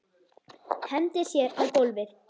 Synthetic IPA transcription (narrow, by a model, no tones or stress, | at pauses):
hɛnt̪ɪ̥sjɛaðkowlvɪɾ̥